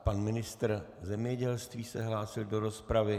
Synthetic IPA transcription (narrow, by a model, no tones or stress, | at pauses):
panmɪnɪst̪r̩zɛmɲɛɟɛlst̪viːsɛɦlaːsɪldo̞ɾo̞spɾavɪ